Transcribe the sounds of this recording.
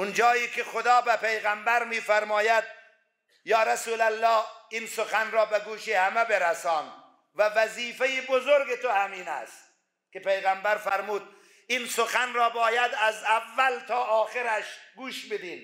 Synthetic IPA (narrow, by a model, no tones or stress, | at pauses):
ʔʊnd͡ʒɒːiːkʰʲexod̪ɒːbepejɣæmbæɾmiːfæɾmɒːjæd̪̚ | jɒːɾæsuːlælːɒːhiːnsoxænɾɒːbeɡuːʃiːhæmebeɾæsɒːn | vævæziːfejebozoɾɡet̪ohæmiːnæ̰st̪̚ | kʲepejɣæmbæɾfæɾmuːd̪̚ | ʔiːnsoxænɾɒːbɒːjæd̪æzævːælt̪ʰɒːɒːxeɾæʃɡuːʃbed̪iːn